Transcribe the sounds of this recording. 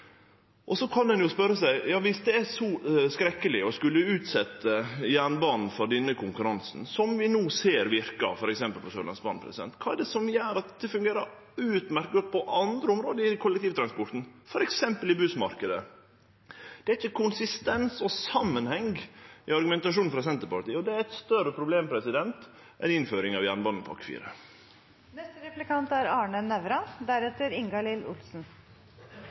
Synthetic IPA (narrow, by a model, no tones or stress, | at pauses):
ʔɔsɔkʰɑnd̪ɛnjʊspœɾːəsæɪjɑːʋɪsd̪ɛæsɔskɾɛkːəlɪɔskʉlːəʉːt̪sɛt̪ːəjæːɳbɑːnn̩fɔɖɛnːəkʰʊŋkʉɾɑnsn̩sɔmʋɪnuːseːɾʋɪɾkɑ̰fɔɾɛksɛmpəlpʰɔsøːlɑ̰nsbɑːnpʰɾɛsɪd̪ɛ̰nt̪kʰɑːɛɖɛsɔmjæːɾɑt̪d̪̥ɛfʉŋɡeːɾəɾ | ʉːt̪mæɾkɡɔt̪̚ːpʰɔʔɑnd̪ɾəʊmɾoːd̪əɪkʰʊlɛkt̪iːʋət̪ʰɾɑnspɔɾt̪n̩fɔɾɛksɛmpəlɪbʉːsmɑ̰ɾkəd̪ə̰ | d̪̥ɛæɾɪçəkʰʊnsɪst̪ɛnsɔsɑmːənhɛŋɡɪɑɾɡʉmɛnt̪ɑʂuːn̩fɾɑsɛnt̪əɾpɑʈ̪iːəɔd̪ɛæɾɛt̪st̪œɾəpʰɾʊbleːmpʰɾɛsɪd̪ɛnt̪ | ʔɛ̰nɪnføːɾɪŋɑʋjænbɑnn̩pʰɑ̰kfḭːɾə̰ | nɛst̪əɾɛplɪkɑnt̪æɾɑːɳənɛʋɾɑd̪æɾɛt̪əɾɪŋɡɑlɪlʊ̰lsn̩